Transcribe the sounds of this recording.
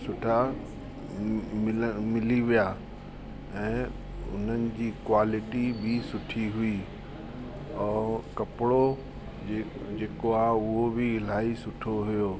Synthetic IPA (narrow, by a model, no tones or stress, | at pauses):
sʊʈʰa | mɪmɪliʋijaː | ɛ̃ː | ʊ̰n̤ənɪ̆d͡ʑiːkwaːlɪʈibʱɪsʊʈʰiɦʊi | ɛ̃ːkɐpɪɽo | eːd͡ʑeːkoaʊɦobɪɪl̤aːisʊʈʰoɦʊjoː